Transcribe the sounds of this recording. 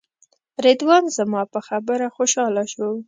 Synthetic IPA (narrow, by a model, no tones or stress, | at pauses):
ɾed̪wɑnzamɑpəxabəɾaxoʃɑlaʃə